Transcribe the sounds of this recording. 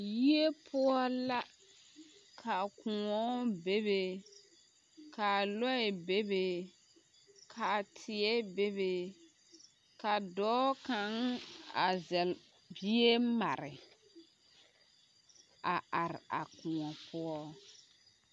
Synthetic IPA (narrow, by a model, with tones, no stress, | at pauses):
ji˦e˦pʰʊ˦ɔ˦la˦ | kʰa˨kʊ˨ŋɔ˦be˦be˨ | kʰa˨lɔ˦ɛ˨be˦be˨ | kʰa˨tʰɪ˨ɛ˦be˦be˨ | ka˨dɔː˦ka˨˦ŋa˨zɛ˨l | bi˦e˦ma˨ɾɪ˨ | a˨ʔa˨ɾɪ̰˨a˨kʊ̃˨ɔ˨pʰʊ˦ɔ˦